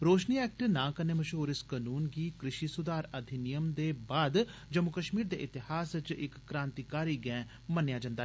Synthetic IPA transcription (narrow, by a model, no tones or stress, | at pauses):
ɾoːʃniːɛːk̚ʈnãːkəneːməʃoːɾɪskənuːnɡiːkɾɪʃiːsʊd̪aːɾəd̪ʱɪnɪjəmd̪eːbaːd̪d͡ʒəmʊkəʃmiːɾd̪ḛːʔɪt̪ɪhaːsɪt͡ʃɪkːɾãːnt̪iːkaːɾiːɡɛ̃ː | mənjaːd͡ʒə̃nd̪aː